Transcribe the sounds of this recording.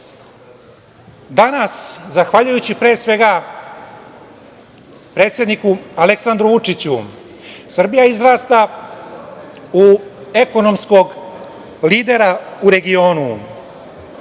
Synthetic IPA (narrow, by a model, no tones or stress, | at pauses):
d̪anaszaxʋaʎujut͡ɕipɾe̞ːsʋe̞ɡa | pɾe̞ːt̪sʲje̞d̪nikuale̞ksand̪ɾuʋut͡ʂit͡ɕu | sr̩bijaizɾaːst̪a | ue̞ko̞no̞msko̞ɡ | liːd̪e̞ɾauɾe̞ɡio̞ːnu